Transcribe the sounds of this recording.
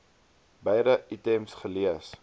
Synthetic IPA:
bəjɾəʔitemsχəliəs

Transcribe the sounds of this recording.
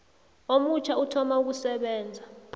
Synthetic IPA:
omut͡ʃʰautʰɔmauk̬usɛɓɛːnd͡zʱa

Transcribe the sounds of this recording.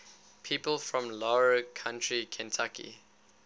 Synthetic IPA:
pʰiːpəlˠfɹɔ̃mlɔɹəkʰãntɹikʰɛ̃ntʰakḭ

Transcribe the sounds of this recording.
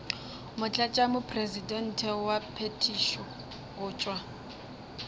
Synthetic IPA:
mʊt͡ɬʼat͡ʃʼamʊpʰʼrezidɛn̩tʰɛwapʰetʰiʃɔ | ɣʊːt͡ʃʼwa

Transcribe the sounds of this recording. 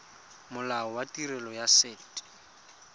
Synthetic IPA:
mʊlaɔwatirɛlɔjaseːt

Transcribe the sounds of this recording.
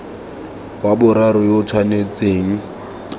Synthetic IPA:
wabʊɾaɾʊjot͡sʰwanet͡sʼeːŋ̩

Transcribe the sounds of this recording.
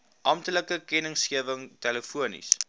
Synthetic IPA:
ʔɐmtələkəkɛnəŋsχiəvəŋtɛləfuənḭs

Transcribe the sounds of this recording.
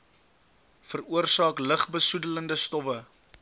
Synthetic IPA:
fəruərsɑːkləχbəsudələndəstɔpə

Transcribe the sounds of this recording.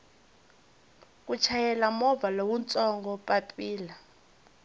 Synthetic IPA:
k̬ʼut͡ʃʰajɛlamɔvalowunt͡sʼɔŋɡɔpʼapʼiːla

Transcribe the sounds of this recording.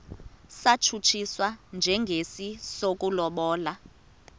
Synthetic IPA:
sat͡ʃʰut͡ʃʰiswand͡ʒʱɛŋɡʱesisok̬ʼulɔɓɔːla

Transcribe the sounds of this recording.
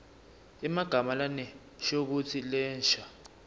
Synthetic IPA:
imaɡ̥ʱamalanɛ | ʃok̬ut͡sʰilɛːnʃa

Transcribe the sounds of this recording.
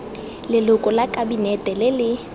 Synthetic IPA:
lɪlʊkʼɔlakʼabinɛtʼɛlɪlɪ

